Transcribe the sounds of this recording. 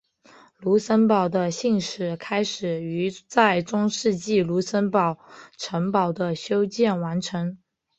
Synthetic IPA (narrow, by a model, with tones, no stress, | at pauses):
lu˧˥sə˥npɑ˨˩ʊd̪ə˦ɕi˥˩ŋʂɻ̩˨˩kʰa˥ɪʂɻ̩˨˩y˧˥t͡sa˥˩ɪʈ͡ʂʊ˥ŋʂɻ̩˥˧t͡ɕi˥˩lu˧˥sə˥npɑ˨˩ʊʈ͡ʂʰɤ˧˥ŋpɑ˨˩ʊd̪ə˦ɕjo˥ʊt͡ɕjɛ˥˩nwa˧˥nʈ͡ʂʰɤ˧˥ŋ